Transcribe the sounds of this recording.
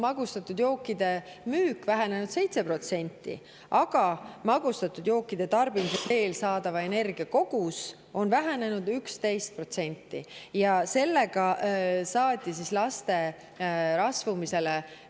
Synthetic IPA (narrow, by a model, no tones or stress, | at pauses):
mɑɡ̥ust̪ɑt̪ːˑud̪̥jo̞ːkːˑid̪̥e̞myːkvæɦene̞nud̪̥se̞jt̪se̞pro̞t̪se̞nʲt̪ːˑḭ | ɑɡ̥ɑmɑɡ̥ust̪ɑt̪ːˑud̪jo̞ːkːˑid̪̥e̞t̪ɑrbimiset̪e̞ːlsɑːd̪̥ɑvɑe̞ne̞rɡ̥iɑko̞ɡ̥us | o̞nvæɦæne̞nud̪̥ykst̪e̞jst̪̚pro̞t̪se̞nʲt̪ːḭjɑse̞lːe̞ɡ̥ɑsɑːt̪ʲːˑisislɑst̪e̞ | ɾɑsvumise̞le